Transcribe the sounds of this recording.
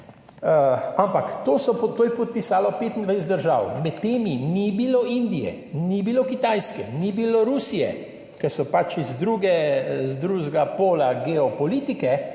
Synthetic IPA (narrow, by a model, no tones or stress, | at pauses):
əampakt̪oːsɔɔt̪oːjɛpɔt̪̚pisaːlɔpeːt̪ind̪ʋajs̬ɛt̪d̪əɾʒaːwmɛt̪ːeːminibiloʔind̪ijɛ̰ | nibilokit̪ajskɛnibiloɾuːsijɛ̰ | kɛsɔpat͡ʃizd̪ɾuːɡɛzd̪ɾuʒɡapoːlaɡɛɔpɔliːt̪ikɛ